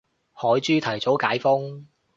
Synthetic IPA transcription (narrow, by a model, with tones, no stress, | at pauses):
hɔː˨˥jt͡ʃyː˥t̪ʰɐ˨˩jt͡so˨˥wkaː˨˥jfʊ˥ŋ